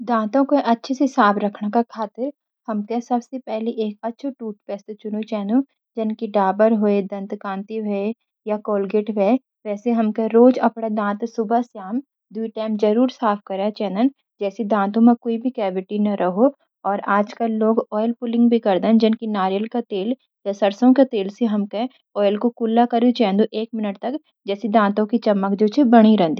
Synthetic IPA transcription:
d̪ãːt̪õkoʔɐtːʃʰesɪsaːbɾɐkʰnakakʰaːt̪ɪɾ | hɐmkesɐbsepɛɦliʔeːk̚ɐtːʃʰoʈuːʈ̚pɛːst̪et͡ʃʊnot͡ʃɛːnd̪ũ | d͡ʒɪnkiɖaːbəɾɦoed̪ɐ̃nt̪kãːnt̪iʋʱɛe | jakoːlɡeʈʋʱɛ | ʋɛːseɦɐmkeɾoːd͡ʒɐpɽ̃ad̪ãːt̪sʊbʱəsjaːm | d̪wuiʈɛːmd͡ʒɐɾuːɾsaːpʰkɐɾat͡ʃɛ̃ːnd̪ən | d͡ʒɛːsid̪ãːt̪õmẽkoːibʱikɛːbɪʈinɐɾʔɐɦo | ɔːɾaːd͡ʒkɐlːoːɡɔːjəlpʊlɪ̃ŋɡbʱikɐɾd̪ənd͡ʒɪnkinaːɾjəlkat̪eːl | jasɐɾsõket̪eːlseɦɐmke | ɔːjəlkokʊlːakɐɾit͡ʃɛ̃ːnd̪uʔeːk̚mɪnəʈt̪ɐk | d͡ʒɛːsid̪ãːt̪õkit͡ʃɐmːəkd͡ʒoːt͡ʃʰebɐɽ̃iɾɛ̃nd̪i

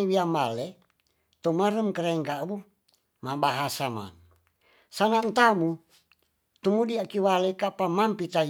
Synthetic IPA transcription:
iwiambale | t̪omaɾəmkəɾɛŋkabu | mabaɦasama̰n | sanant̪amu | t̪umudiakiwalekapamampit̪a

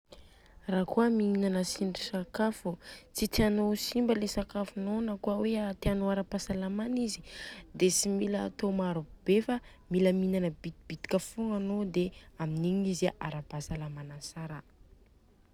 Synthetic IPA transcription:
raːkuəmiinanəsiɳɖ͡ʐisakafut͡sit̪eanosimbəlesakafunonəkuaweat̪eanoaɾapasalamanizid̪esimilət̪omaɾub̥efə | miləminanəbit̪ib̥it̪i̥kʲəfuŋanod̪eaminiɲizaʔa̰ɾabasalamanasaɾə

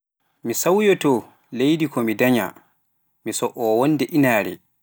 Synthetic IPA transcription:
misawjɔtɔ | lejdikʰɔmidaɲa̰ | misɔʔɔwɔnːdɛʔinaːɾɛ̰

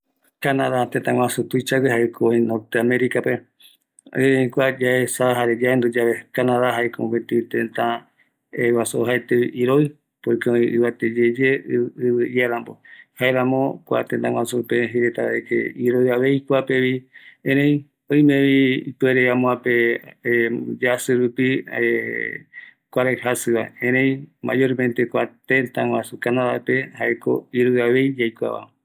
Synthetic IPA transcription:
kanaðat̪ẽt̪ãŋwãsut̪ut͡ʃaɡeɦaʔekʰoĩnot̪eamẽɾikape | eɾẽĩkʷad͡ʒaesaɦaɾed͡ʒaend̪ud͡ʒaβekanãðaɦaekopet̪iit̪ẽnt̪ã | ewasoɦaet̪eʔiɾoj | pojkeõĩʔɨβat̪ed͡ʒed͡ʒeɨβɨjaɾãmbo̰haeɾãmõkʷa̰t̪ẽnt̪ãŋw̃ʷasupeɦeɾet̪aβaekḛiɾoiaβe̞jkʷapeβiẽɾẽj̃ | õj̃mẽβiipueɾeãmõape | d͡ʒasɨɾupie | kʷaɾehasɨβaeẽɾẽj̃ma̰joɾmẽnt̪ekʷat̪ẽnt̪aŋwʷasukanãβaepehaeko̰iɾojaβe̞jd͡ʒajkʷa̰βa̰

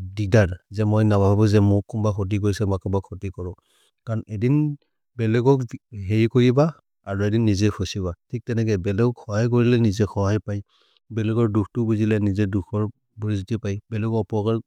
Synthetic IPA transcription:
didaɹzɛmojnababʱabɔzɛmʊkːumbaxʰɔt̬ik̬oɹisɛmakɔmbakʰɔtikɔɹɔ | kaɹɔnedin | bɛlɛɡɔkɦeɹikoɹiba | aɹuedinːizɛkʰɔsiβatʰik̚tɛnɛk̬ɛbɛlɛɡɔkxɔɦajk̬oɹilɛnizɛkʰɔɦajpaj | bɛlɛɡɔɹdukʰtʊbuzilɛnizɛduxʰɔɹ | bɔɹizutipajbɛlɛɡɔɔpɔɹkaɹ

